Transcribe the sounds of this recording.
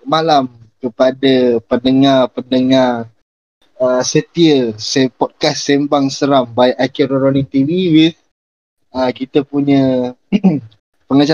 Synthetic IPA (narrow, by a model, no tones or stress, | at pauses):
malamkəpadapənəŋarpənəŋar | əsət̪iəsepɔd̚kasːembaŋsəɾambajʔakiɾɔɾonik̚t̪iviwiθ | əkit̪əpuɲə | pəŋat͡ʃa